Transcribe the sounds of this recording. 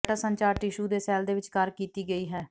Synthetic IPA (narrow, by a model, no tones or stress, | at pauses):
ʈaːsəɲt͡ʃaːɾʈɪʃuːd̪eːsɛːld̪eːʋɪt͡ʃkəɾkiːt̪iːɡəiːɦɛː